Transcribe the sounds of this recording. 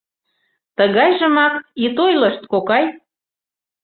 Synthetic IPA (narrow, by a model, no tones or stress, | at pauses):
t̪əɣɑjʒə̆mɑkit̪ojləʃt̪kokɑj